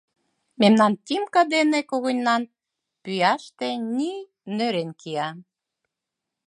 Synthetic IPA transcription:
memnɑnt̪ʲimkɑd̪enĕkoɣonʲnɑn | pyjæʃt̪ĕnʲi | nøɾenkiɑ

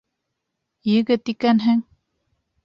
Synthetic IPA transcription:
jɘ̆ɡɘt̪ikænɦɘŋ

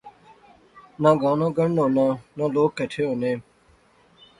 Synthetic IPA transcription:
nãːɡãːnõːɡəɳnõːnãːnãːloːkːəʈʰeːɦõːneː

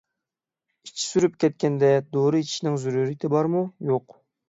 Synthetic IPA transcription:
i̥t͡ʃʰːi̥syɾypkʲʰɛt̪̚kʲɛnd̪ɛd̪oɾɨit͡ʃʰi̥ʃinɪŋzuɾuɾit̪ʰɪbɑɾmujoq

